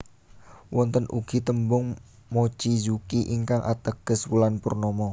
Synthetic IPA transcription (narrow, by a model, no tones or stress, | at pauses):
wɔnt̪ənʔuɡ̥i̤t̪əmbʊŋ | mot͡ʃid͡ʒukiʔiŋkaŋʔa̰t̪əɡ̥əswulanpurnɔmɔ